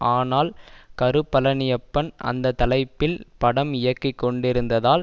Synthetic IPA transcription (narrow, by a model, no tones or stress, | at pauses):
aːnaːlkɐɾɯpːɐlɐnɪjɐpːɐnɐ̰nd̪ɐt̪ːɐlɐɪpːɪlpɐɽɐmɪjɐkːɪkːɔɳɖɪɾɯnd̪ɐðaːl